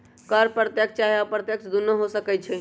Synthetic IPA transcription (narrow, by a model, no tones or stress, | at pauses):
kəɾpɾət̪jəkst͡ʃaɦiapɾət̪jəksd̪unːəɦosəkɛt͡ʃʰɛ